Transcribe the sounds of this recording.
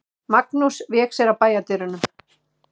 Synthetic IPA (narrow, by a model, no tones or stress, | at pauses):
maknusvjɛːksɛɾapaːjat̪ɪɾʏnʏ